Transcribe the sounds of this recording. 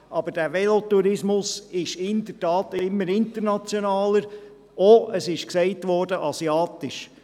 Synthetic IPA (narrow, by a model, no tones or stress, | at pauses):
ʔɑb̥əɾd̥æːʋɛlot̪uɾɪsmʊsɪʃɪnd̥̪əɾtɑːtɪmːəɾɪnt̪əɾnɑt͡sjonɑːləɾ | oəsɪʃksɛɪtʋɔːɾdəʔɑsiɑːt̪ɪʃ